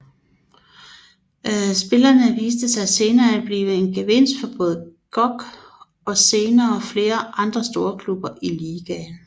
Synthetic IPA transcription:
sb̥e̝lɐnəʋiːsd̥əsɑ̈ɪse̝ːnɐːæd̥̚b̥liːʋəe̝nɡ̥eʋe̝n̰sd̥fɒb̥ɔ̽ːð̞̩ˠəɡ̥ɒ̽ɡ̥ | ɒ̽se̝ːnɐːfle̝ːɐʔɑ̈nd̥ʁɐsd̥o̝ːɐkʰlub̥ɐʔiliːɡ̥æn

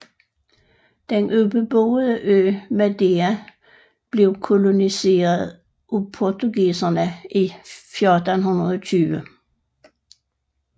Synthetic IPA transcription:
d̥enʔøb̥əb̥oːð̩ˠəʔøːmæd̥eæ | b̥le̝ʊkʰolonise̝̰ːɐðˠ | ʔupʰɔt͡suɡiːsɐnəʔifjɔd̥ənɦunɐð̩ˠɔt͡sʰyːʋə

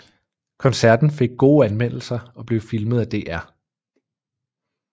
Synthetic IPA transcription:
kʰɒ̽nsæɐd̥n̩fe̝ɡ̥̚ɡ̥o̝ːænmen̰l̩sɐɒ̽b̥le̝ʊfilməð̞ˠæd̥e̝̰ːʔæɐ̰

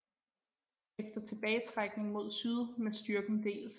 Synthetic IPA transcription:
efd̥ɐt͡sʰe̝b̥ɛːɪt͡sʰʁaɡ̥ne̝ŋmo̝ð̞̰ˠsyðˠmesd̥yɐɡ̥n̩d̥e̝̰ːls

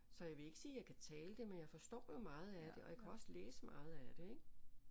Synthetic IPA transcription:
sɒ̽jɑ̈ɪʋe̝e̝ɡ̥əsiːjɑ̈ɪkʰæt͡sʰɛːləd̥e̝menjɑ̈ɪfɒ̽sd̥ɒ̰ːjo̝mɑ̈ːð̞̩ˠæd̥e̝ʔɒ̽jäkʰæɒ̽sleːsəmɑ̰̈ːð̩ˠæd̥e̝eɡ̥

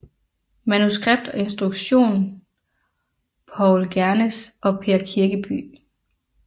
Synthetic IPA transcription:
mænusɡ̥ʁeb̥̚d̥ɒ̽e̝nsd̥ʁuɡ̥ɕo̝̰ːn | pʰɒʊlɡ̥æɐnesɒ̽pʰe̝ɐkʰiɐɡ̥əb̥y̰ː

